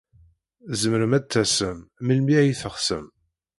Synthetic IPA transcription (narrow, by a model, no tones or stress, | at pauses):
zəmɾəmæt͡s̪ːæsəmməlmiæjiθəχsə̰m